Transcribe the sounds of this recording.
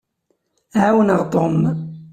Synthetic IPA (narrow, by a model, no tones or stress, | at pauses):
ʕawənəʁt̪ˤom